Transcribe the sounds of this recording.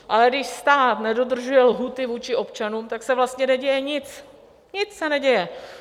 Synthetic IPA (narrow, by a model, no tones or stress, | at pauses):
ʔalɛɡdɪʃst̪aːt̪nɛdo̞d̪r̩ʒujɛlɦuːt̪ɪvuːt͡ʃɪʔo̞pt͡ʃanuːmt̪aksɛvlast̪ɲɛnɛɟɛjɛɲɪt͡s | ɲɪt͡ssɛnɛɟɛjɛ